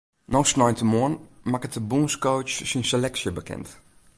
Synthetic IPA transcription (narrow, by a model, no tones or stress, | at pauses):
nosnɔjntəmoənmakətəbuːnskoːt͡ʃsinselɛksjəbəkʰɛ̰nt